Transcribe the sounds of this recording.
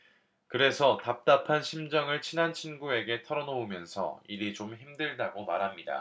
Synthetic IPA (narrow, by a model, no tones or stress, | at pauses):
kɯɾe̞sʰʌtap̚t͈apʰanɕʰimd͡ʑʌŋɯɭt͡ɕʰinant͡ɕʰinɡue̞ɡe̞tʰʌɾʌnoumjʌnsʰʌ̰iɾit͡ɕomçimdɯɭdaɡoma̰ɾɦamɲida̰